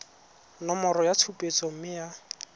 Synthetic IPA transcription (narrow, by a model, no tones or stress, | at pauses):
nɔmɔɾɔjat͡sʰupʼet͡sʼɔm̩mɪja